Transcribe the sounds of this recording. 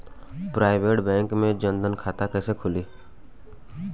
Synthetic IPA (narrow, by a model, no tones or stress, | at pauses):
pɾaːɪbeːʈbɛ̃ːŋkmẽd͡ʒənd̪ənkʰaːt̪akɛːsekʰʊliː